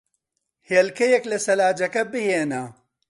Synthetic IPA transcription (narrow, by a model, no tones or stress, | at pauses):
heːlkɐjɐklɐsɐlaːd͡ʒɐkɐbɨheːnɐ